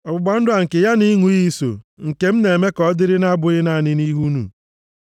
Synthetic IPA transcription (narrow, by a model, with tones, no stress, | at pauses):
ɔ˨bʊ˨ɡ͡ba˨˦n̩˦dʊ˦a˨ŋ̩˨kɪ˨ja˦ni˦ŋu˨ɣi˦so̰˨ŋ̩˨ke˨m̩˦ne˨e˨me˦kɔ˨˦dɪ˦ɾɪ˦na˦bʊ˨ɣɪ˦na˦˨nɪ˦ni˦ɦu˦nṵ˨